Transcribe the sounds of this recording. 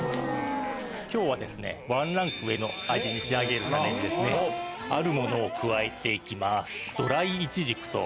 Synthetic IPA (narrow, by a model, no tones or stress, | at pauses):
kʲo̞ːβ̞ad̪e̞sɨne̞̰βãnɾãŋkɯ̟e̞no̞ad͡ʑiɲ̟iɕiaɡe̞ɾɯ̟t̪ame̞ɲ̟id̪e̞sɨneaɾɯ̟mo̞no̞ːkɯ̟βaet̪e̞ikʲimasɨ̥d̪̥o̞ɾaiːt͡ɕiʑikɯ̟̥t̪o̞̰